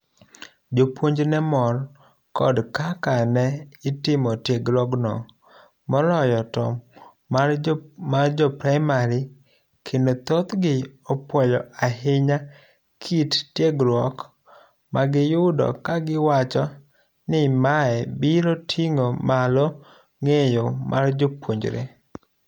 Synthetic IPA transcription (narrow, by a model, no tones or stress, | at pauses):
d͡ʒopwoɲd͡ʒnɛmɔr | kɔ̰dkakanɛɪtɪmɔtjeɡɾwɔɡnɔ̰ | mɔɾɔjɔtɔ | armard͡ʒɔpɾaɪmaɾɪ | kʰɪndot̪ot̪ɡɪɔpwɔjɔaɦɪɲa | kʰittjeɡɾwɔk | maɡɪjʊdɔ̰kaɡɪwat͡ʃɔ | nɪmaɛbiɾotʰiŋomalɔ | ŋejomʔa̰rd͡ʒopwoɲd͡ʒɾḛ